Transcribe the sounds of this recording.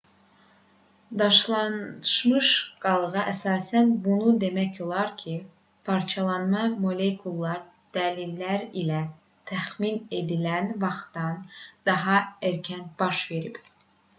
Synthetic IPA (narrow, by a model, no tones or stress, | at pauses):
d̪ɑʃlˠɑnʃmɯʃɡ̥ɑlˠɣɑʔæsɑːsænbunud̪e̞mæco̞lˠɑɾcʰi | pʰɑɾt͡ʃʰɑlˠɑnmɑmo̞lʲekʰulˠːɑɾ | d̪̥ælilːæɾilæ | t̪ʰæxmine̞d̪ilænvɑχt̪ɑnd̪̥ɑɦɑæɾcʰænb̥ɑʃve̞ɾib̥